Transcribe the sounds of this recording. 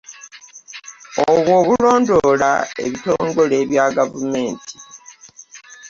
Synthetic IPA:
oβwo̞ːβulo̞ːndo̞la̰e̞̰βito̞ːŋɡo̞le̞ːβjaːɡavume̞ːntʰi̥

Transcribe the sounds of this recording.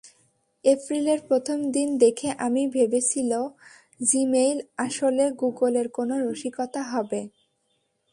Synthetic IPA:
epɾileɾpɾot̪ʰomd̪ind̪ekʰeʔamibʱebet͡ɕʰilo | d͡ʑimejlaʃoleɡuɡoleɾkonoɾoʃikot̪aɦɔbe

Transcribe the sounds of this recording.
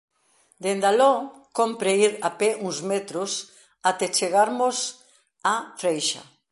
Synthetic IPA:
d̪end̪alokompɾeiɾapɛʔuŋzmet̪ɾʊs | at̪et͡ʃeɣaɾmʊs | afɾejʃa̰

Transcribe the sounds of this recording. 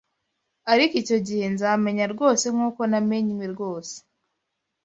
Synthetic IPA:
aɾikico̞ɟihenzaːme̞ɲaɾɡo̞ːse̞mŋuːko̞nameɲimiɾɡo̞ːse̥

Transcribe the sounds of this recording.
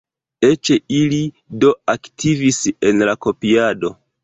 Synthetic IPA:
e̞t͡ʃeili | do̞aktʰivise̞nlako̞piado̞

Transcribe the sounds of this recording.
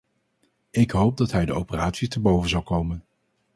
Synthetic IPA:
ɪkɦowp̚dɑtɦɛjdəo̰wpəraːtsitəbowvənzɑlˠkowmən

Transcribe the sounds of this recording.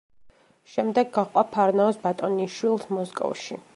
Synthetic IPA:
ʃɛmd̪ɛɡːaχqʼwapʰaɾnaɔsbat̪ʼɔniʃwilˠsmɔskʼɔ̰fʃḭ

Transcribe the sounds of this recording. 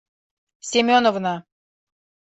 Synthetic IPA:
sʲemʲonŏvnɑ

